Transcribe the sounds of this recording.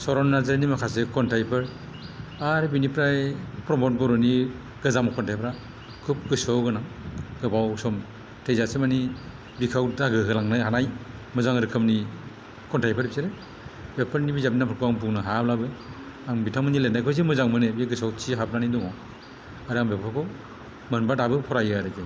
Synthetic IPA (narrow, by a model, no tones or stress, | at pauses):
sɔɾɔnːazɯɾnimakʰasekɔntajpʰɯɾ | aɾbinipɾajpɾɔmɔnɡɔɾɔni | ɡɯzamkʰɔntʰajpɾa | kʰup̚ɡɯsɔwɡɯnaɡɯbawsɔm | tʰejzasemani | bikʰawtaɡɯɦɯlaŋnɯɦanaj | mɯzaŋɾɯkʰɯmni | kʰɔntʰajpʰaɾbiseɾe | bepʰɯɾnibizap̚inapʰɯɾkʰɯaŋbuŋnaɦablabɯ | aŋbitʰamɯnilenajkʰɔjzemɯzaŋmɯnebeɡɯsawt͡ʃʰiɦap̚nanidɔŋɔ | aɾaŋbepʰkʰakʰɔ | mɯnbadabɯpʰɔɾajaɾɯke